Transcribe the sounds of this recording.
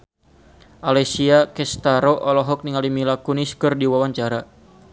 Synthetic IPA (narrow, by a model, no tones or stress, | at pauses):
ʔalɛsiakɛst̪aɾoʔɔlɔɦɔk̚niŋalimilakuniskɨrdiwawaɲt͡ʃaɾa